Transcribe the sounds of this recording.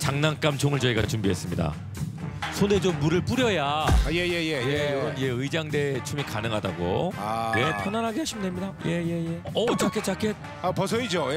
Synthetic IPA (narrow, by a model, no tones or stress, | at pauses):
t͡ɕaŋnank͈amt͡ɕʰoŋɯɭt͡ɕʌiɡat͡ɕumbiɦe̞s͈ɯmɲida̰ | sʰone̞d͡ʑomːuɾɯɭp͈uɾjʌjajejejeejoɯnjeɯid͡ʑaŋde̞t͡ɕʰumikanɯŋɦada̰ɡo̰awepʰjʌnanɦaɡeɦaɕʰimndemɲidajeje̞je̞ʌt͡ɕakʰet̚t͡ɕ͈akʰet̚ | apʌs̬ʰʌid͡ʑo